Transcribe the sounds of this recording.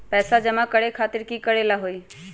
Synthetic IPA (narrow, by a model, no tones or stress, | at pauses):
pɛːsad͡ʒɐmãkəɽekʰaːt̪ɪɾkikəɽelaɦoːi